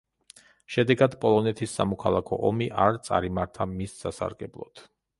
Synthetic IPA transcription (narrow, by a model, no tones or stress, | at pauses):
ʃɛd̪ɛɡad̪pʼɔlˠɔnɛt̪ʰisːa̰mɔkʰalˠakʰɔʔɔmiʔaɾt̪sʼa̰ɾimaɾt̪ʰamisːasa̰ɾɡɛblˠɔ̰d̪̥